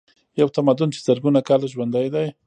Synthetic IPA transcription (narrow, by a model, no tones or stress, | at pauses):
jawt̪amad̪ʊnt͡ʃe̥z̥aɾɡunakalaʒwand̪ajd̪aj